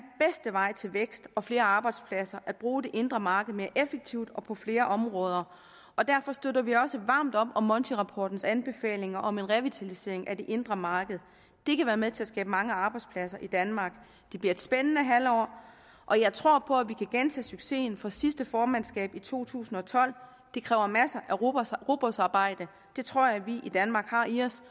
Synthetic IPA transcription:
b̥esd̥əʋɑ̈ɪ̰t͡sʰe̝lʋeɡ̥sd̥ɒ̽fle̝ːɐɑ̈ːb̥ɑ̈ɪd̥spʰlæsɐʔæd̥̚b̥ʁuːd̥e̝ʔe̝nd̥ʁɐmɑ̈ːɡ̥əð̞̩ˠme̝ːɐʔefeɡ̥̚t͡sʰiʊ̰d̥ɒ̽pʰɒ̽fle̝ːɐʔɒ̽mʁɔ̽ːð̞ˠɐ | ʔɒ̽d̥æɐfɒ̽sd̥ødɐʋiɒ̽səʋɑ̰̈ːmd̥ɒ̽b̥ɒ̽mːɒ̽nt͡sʰiʁɑ̈pʰɒ̰ːd̥n̩sænb̥e̝fɛ̰ːle̝ŋɐʔɒ̽me̝nʁɛʋit͡sʰælise̝̰ɐ̰e̝ŋʔæd̥e̝ʔe̝nd̥ʁɐmɑ̈ːɡ̥əð̞̩ˠ | d̥e̝kʰæʋæːɐmeðˠt͡sʰe̝æsɡ̥ɛːb̥əmɑ̈ŋəɑ̈ːb̥ɑ̈ɪd̥spʰlæsɐʔid̥ænmɑ̈ːɡ̥ | d̥e̝b̥liɐe̝d̥sb̥enənəɦæl̰ɒ̰ː | ʔɒ̽jɑ̈ɪt͡sʰʁo̝ɐ̰pʰɒ̽æʋikʰæɡ̥ent͡sʰɛ̰ːsyɡ̥se̝̰ːn̩fɒ̽sisd̥əfɒːmænsɡ̥ɛ̰ːb̥it͡sʰo̝̰ːt͡sʰṵːsn̩ɒ̽t͡sʰɒ̽l̰ | d̥e̝kʰʁɛːʊɐmæsɐʔæʁʁo̝b̥osɑ̈ːb̥ɑ̈ɪ̰d̥ə | d̥e̝t͡sʰʁo̝ɐ̰jɑ̈ɪʋiʔid̥ænmɑ̈ːɡ̥hɑ̈iɒ̽s

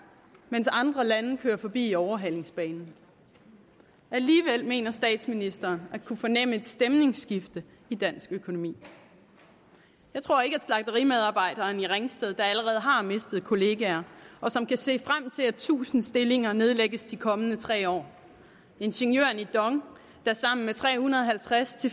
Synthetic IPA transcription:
mensɑ̈nd̥ʁɐlænəkʰøːɐfɒ̽b̥ḭːiɒʊɐɦæl̰e̝ŋsb̥ɛːnn̩ | ʔæliːʋel̰me̝̰ːnɐsd̥ɛ̰ːd̥sminisd̥ɐːnækʰufɒ̽nem̰əe̝d̥sd̥emne̝ŋsɡ̥ifd̥ə | id̥æn̰sɡ̥økʰo̝no̝mḭː | jɑɪt͡sʰʁo̝ɐe̝ɡ̥æd̥slɑ̈ɡ̥̚d̥əʁimeð̞ˠɑ̈ːb̥ɑ̈ɪ̰d̥ɐːniʁeŋsd̥eðˠd̥ɑ̈æləʁɛːð̞̩ˠɦɑ̈me̝sd̥ð̩ˠkʰo̝le̝ːɡ̥ɛɐɒ̽sɒ̽mkʰæse̝̰ːfʁam̰t͡sʰe̝læt͡sʰṵːsn̩sd̥e̝le̝ŋɐne̝ð̞ˠleɡ̥əsd̥ikʰɒ̽mənət͡sʰʁɛ̰ːɒ̰ː | e̝nɕeŋjø̰ɐnid̥ɒ̽ŋ | d̥ɑɐsɑ̈m̰n̩met͡sʰʁɛ̰ːhunɐðˠɐɦælt͡sʰʁast͡sʰe̝

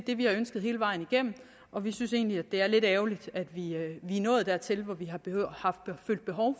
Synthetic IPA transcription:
d̥e̝ʋihɑ̈ønsɡ̥ðˠhe̝ːləʋɑ̈ɪ̰n̩iɡ̥em̰m̩ | ʔɒ̽ʋisyn̰se̝̰ːnliæd̥e̝æɐle̝d̥ɛːʊlid̥æd̥ʋiʋinɔ̽ːð̩ˠd̥æ̰ɐt͡sʰe̝lʋɒʋiɦɑ̈b̥hɑ̈fd̥føl̰d̥b̥e̝ɦɒʊ

